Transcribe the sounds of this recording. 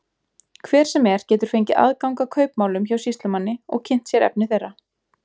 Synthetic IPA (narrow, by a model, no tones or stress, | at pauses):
kʰvɛːɾ̥sɛmɛɾ̥cɛːt̪ʏɾ̥fejɲcɪʔa̰ðkawŋkakʰœːɥpmaːwlʏmçawsist̪lʏmanːɪɔ̰ɣcʰɪn̥t̪sjɛɾɛ̰p̚nɪθerːa